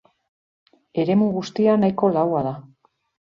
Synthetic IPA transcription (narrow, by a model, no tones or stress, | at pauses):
e̞ɾe̞muɣust̪ianajko̞lawaða